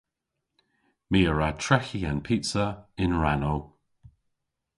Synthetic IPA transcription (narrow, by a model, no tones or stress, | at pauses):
miːəɹatʰɹɛxianpʰitsəɪnɹanow